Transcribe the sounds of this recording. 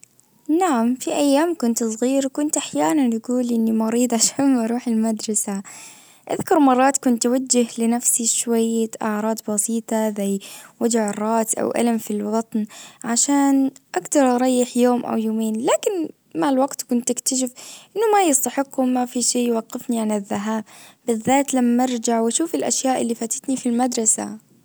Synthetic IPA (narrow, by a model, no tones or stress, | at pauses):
naʕamfiʔajːaːmkʊnt̪sˤɣiːɾkʊnt̪ʔaħjaːnanʔaɡuːlʔɪnːimɑɾiːd̪ˤʕaʃaːnmʔɑɾˤuːħalmad̪ɾˤɑsa | ʔa̰ðkʊɾˤmɑrˤːɑːt̪kʊnt̪ːwad͡ʒːɪhlɪnafsiʃwajːaʔaʕɾˤɑːd̪ˤbɑsiːt̪ˤɑzajwad͡ʒʕɪrˤːɑːsʔa̰wʔa̰lamfilwɑt̪ˤnʕaʃaːnʔakd̪ɑɾˤʔɑɾˤɑjːɪħjoːmʔa̰wjoːmeːnlaːkɪn | malwaɡt̪kʊnt̪ʔɪkt̪aʃ̬ɪfʔɪnːʊmajɪst̪aħɪqːhʊmːafiʃiːjwɑɡːɪfniʕanɪðːaɦaːb̚bɪðːaːt̪lamːɪɾˤd͡ʒaʕwaʃuːfɪlʔa̰ʃjaːʔɪlːifaːt̪ḁt̪nifilmad̪ɾˤɑsa̰